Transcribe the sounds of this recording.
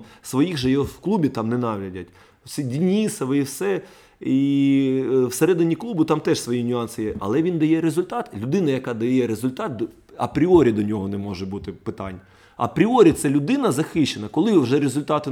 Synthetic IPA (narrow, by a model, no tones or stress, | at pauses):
sʋɔjiɣʒɛjɛwklˠubʲit̪ɑmnɛnɑʋlʲɐdʲɐt̚ʲ | sʲidʲinʲisɐʋɪiwsɛ | i | wseɾɛd̪ɪnʲiklˠubʊt̪ɑmt̪ɛʃsʋɔjinʲʊɑnsɪjɛʔɐlˠɛʋʲind̪ɐjɛɾezʊlʲt̪ɑt̪lʲʊd̪ɪnɐjɐkɑd̪ɐjɛɾezʊlʲt̪ɑt̪̚ | ɐpɾʲiɔɾʲid̪ɔnʲɔɦɔnɛmɔʒɛbut̪ɪpɪt̪ɑnʲː | ɐ̰pɾʲiɔɾʲit̪sɛlʲʊd̪ɪnɐzɐxɪʃːenɐkɔlˠɪʋʒɛɾezʊlʲt̪ɑt̪ɪ